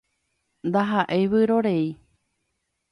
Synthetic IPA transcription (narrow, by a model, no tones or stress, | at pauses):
nd̪aɦaʔeβɨɾoɾei